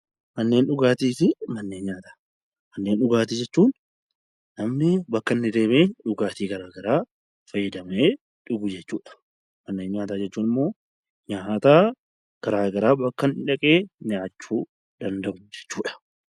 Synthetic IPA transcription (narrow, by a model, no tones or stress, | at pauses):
mɐnːe̞ːnᶑʊɡaːt̪iːfɪmɐnːe̞ːnɲaːt̪ḁː | mɐnːe̞ːnᶑʊɡaːt̪iːd͡ʒɛt͡ʃːuːn | nɐmnɪbɐkːɐnːɪd̪e̞ːmeːᶑʊɡaːt̪iːɡɐɾaːɡɐɾaː | fɐjːɐd̪ɐmeː | ᶑʊɡʊd͡ʒɛt͡ʃːuːᶑɐ̥ | mɐnːe̞ːɲɲaːt̪aːd͡ʒɛt͡ʃːuːnɪmːo̞ː | ɲaːt̪aː | ɡ̥ɐɾaːɡɐɾaːbɐkːɐnɪᶑɐkʼeːnɪʔɐt͡ʃːuː | d̪ɐnd̪ɐʔʊd͡ʒɛt͡ʃːuːᶑɐ̥